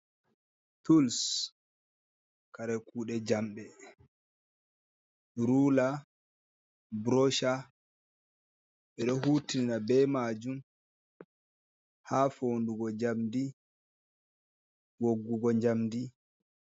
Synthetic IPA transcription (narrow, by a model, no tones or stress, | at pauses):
tuls | kaɾɛkuːɗɛd͡ʒamɓɛ | ɾula | bɾɔʃa | ɓɛɗɔɦuːtininabɛmad͡ʒum | hafonduɡɔd͡ʒamdi | woɡːuɡɔɲd͡ʒamdi